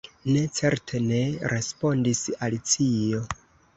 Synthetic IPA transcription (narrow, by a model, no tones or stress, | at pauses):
ne̞t͡se̞ɾtʰe̞ne̞ɾe̞spo̞ndisalit͡sio̞